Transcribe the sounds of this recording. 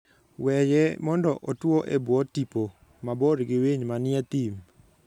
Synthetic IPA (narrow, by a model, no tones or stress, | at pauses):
wɛjɛmɔndɔʔotwoʔebwɔtipo | maboɾɡɪweɲmanɪɛt̪im